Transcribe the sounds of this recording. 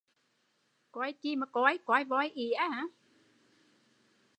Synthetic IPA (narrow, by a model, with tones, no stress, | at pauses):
kwjki˧ma˨˩kɔ˨˧a˧jkwjvɔ˧jʔi˨˦a˨˦a˨˦